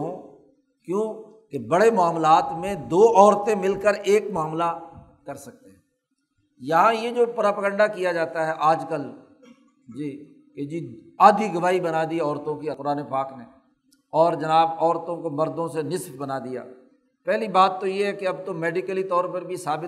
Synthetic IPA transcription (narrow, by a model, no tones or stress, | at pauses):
ɦõ | kjõː | kebɐɽemʊaːmlaːt̪mẽd̪oːʔɔːɾt̪ẽmɪlkəɾʔeːkmʊaːmla | kɐɾsɐk̚t̪eɦɛ̃ | jɐɦãjed͡ʒoːpɾaːpəɡə̃ɳɖakijad͡ʒaːt̪aɦɛʔaːd͡ʒkəl | d͡ʒiː | ked͡ʒiːaːd̪ʱiɡəʋaːibənad̪iɔːɾt̪õkipʊɾaːnepaːkneː | ɔːɾd͡ʒɐnaːbɔːɾt̪õkoməɾd̪õsenɪsbbənad̪ija̰ː | pɛːlibaːt̪ːojeɦɛkeɐbt̪omɛːɖɪkəlit̪ɔːɾpəɾbʱisaːbɪ